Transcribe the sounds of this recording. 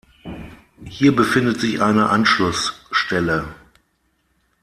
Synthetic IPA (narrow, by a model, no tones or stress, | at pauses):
hiːɐbəfɪndətz̥ɪçʔaɪnəʔanʃlʊsʃtɛlə